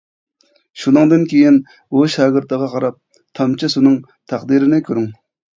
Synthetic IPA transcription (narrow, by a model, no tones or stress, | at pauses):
ʃunɨŋd̪ɨnkʲʰejin | uʃæɡɪɾt̪əʁɑqʰɑɾɑp̚ | t̪ʰɑmt͡ʃʰɪsunɨŋ | t̪ʰɑχd̪iɾɪnɪkʲʰøɾyŋ